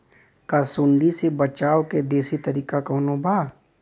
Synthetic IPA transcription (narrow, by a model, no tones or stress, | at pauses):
kasʊɳɖisebət͡ʃaːwked̪eːsit̪ɐɾiːkakɔːnobʱaː